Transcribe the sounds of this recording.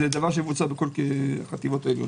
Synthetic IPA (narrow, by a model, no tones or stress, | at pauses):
ed̪avaʁʃ̬emvut͡sabeko̞lkeχat̪ivo̞t̪aeljo̰